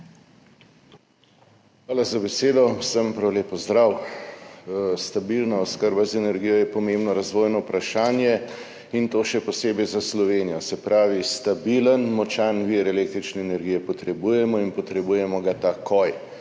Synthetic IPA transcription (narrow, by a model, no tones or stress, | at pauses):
xʋaːlazabɛseːd̪ɔsəmpɾawleːpɔzd̪ɾaw | st̪abilnaɔskəɾbazɛnɛɾɡiːjɔjɛpɔmeːmbnɔɾazʋoːjnɔwpɾaʃaːnjɛ | int̪oːʃɛpɔseːbɛjzaslɔʋeːnijɔsɛpɾaːʋist̪abilənmɔt͡ʃanʋiɾɛleːk̚t̪ɾit͡ʃnɛːnɛɾɡijɛpɔt̪ɾɛbujɛmɔinpɔt̪ɾɛbuːjɛmɔɡat̪akʰɔj